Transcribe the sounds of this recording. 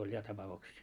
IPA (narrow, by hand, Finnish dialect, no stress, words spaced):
olʲ jɑ tɑpɑuksiː